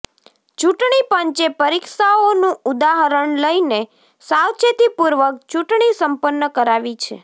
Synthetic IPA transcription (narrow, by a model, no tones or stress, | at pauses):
t͡ʃuʈɳipəɲt͡ʃepəɾikʃaonũud̪aɦəɾəɳləjne | sawt͡ʃʰet̪ipuɾʋək̚t͡ʃuʈɳisəmpənːəkəɾaʋit͡ʃʰḛ